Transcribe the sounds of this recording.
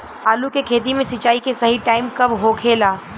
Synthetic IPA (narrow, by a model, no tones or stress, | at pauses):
aːlukekʰeːt̪̬imẽsɐt͡ʃaːikesɐɦiʈaːɪmkɐbɦokʰeːlaː